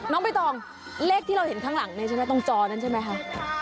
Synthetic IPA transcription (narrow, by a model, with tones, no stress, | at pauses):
nɔː˦˥ŋpa˧jt̪ɔː˧ŋ | leː˥˩k̚t̪ʰiː˥˩ɾa˧whe˩˦nkʰaː˦˥ŋla˨˩˦ŋna˦˥t͡ɕʰa˥˩m˦˥˩t̪ɔ˥˩ŋt͡ɕɔː˧na˦˥nt͡ɕʰa˥˩jma˦˥jkʰa˦˥ʔ